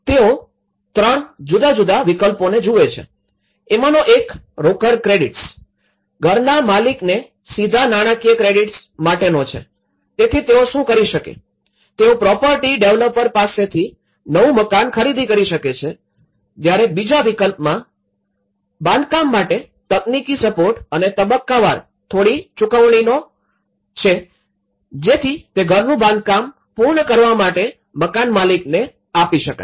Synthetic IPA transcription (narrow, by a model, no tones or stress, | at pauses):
t̪eo | t̪ɾəɳd͡ʒud̪ad͡ʒud̪aʋikəlponed͡ʒuʋet͡ʃʰḛ | emanoʔek | ɾokəɾkɾeɖiʈs | ɡʱəɾnamalikne | sid̪ʱanaɽ̃akijəkɾeɖiʈsmaʈenot͡ʃʰḛ | t̪et̪ʰit̪eoʃũkəɾiʃəkḛ | t̪eopɾɔpəɾʈiɖeʋləpːəɾpaset̪ʰi | nəʋũməkankʰəɾid̪ʱikəɾiʃəket͡ʃʰe | d͡ʒ̪jaɾebid͡ʒaʋikəlpmã | bãnd̪̚kamːaʈe | t̪əknikisəpoɾʈənet̪əbəkːaʋa̰ɾ | t̪ʰoɽit͡ʃʊkəʋɳ̃ino | t͡ʃʰe | d͡ʒet̪ʰit̪eɡʱəɾnũbãnd̪̚kam | puɾɳəkəɾʋamaʈe | məkanmalikne | apiʃəka̰